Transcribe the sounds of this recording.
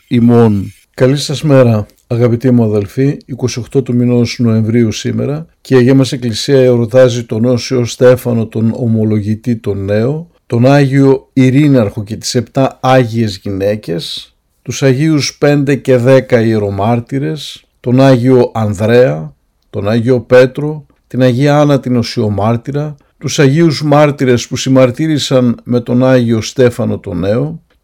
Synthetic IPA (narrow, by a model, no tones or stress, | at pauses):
imo̞n | kɐlisɐsme̞ɾɐ | ɐɣɐpit̪imuɐðe̞lfiːko̞sio̞xt̪o̞t̪ominosno̞e̞ɱvɾiusime̞̰ɾɐ | ceːʝemɐse̞klisiɐeɾo̞t̪ɐzit̪o̞no̞osio̞st̪e̞fɐno̞t̪o̞nomo̞lo̞ʝit̪it̪o̞ne̞o̞ | t̪o̞nɐʝio̞iɾinɐɾxo̞ce̞t̪i̥se̞pt̪ɐɐʝie̞zʝine̞ce̞s | t̪usɐʝiuspe̞nd̪e̞ce̞ðe̞kɐieɾo̞mɐɾt̪iɾe̞s | t̪o̞nɐʝio̞ʔɐnðɾe̞ɐ | t̪o̞nɐʝio̞pe̞t̪ɾo̞ | t̪inɐʝiɐɐnɐt̪ino̞sio̞mɐɾt̪iɾɐ | t̪usɐʝiuzmɐɾt̪iɾe̞spusimɐɾt̪iɾisɐnme̞t̪o̞nɐʝio̞st̪e̞fɐno̞t̪o̞ne̞o̞